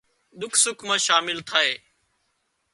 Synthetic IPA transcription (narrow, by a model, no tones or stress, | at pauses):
ɗ̪ʊkʰsʊkʰmãːʃaːmɪlt̪ʰaːeː